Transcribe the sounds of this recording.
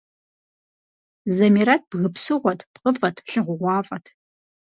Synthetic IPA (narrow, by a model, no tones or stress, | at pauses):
zɐmiɾɐt̚bɣɨpsɨʁʷɔtʰpqəfʼɐtʰɬɨʁʷʊʁʷɑːfʼɐtʰ